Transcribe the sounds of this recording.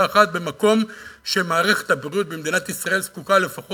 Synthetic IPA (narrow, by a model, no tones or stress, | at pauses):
χat̪̚bemako̞mʃe̞maːʁeχe̥t̪habʁiut̚bemd̪inat̪isʁae̞lskukale̞faχo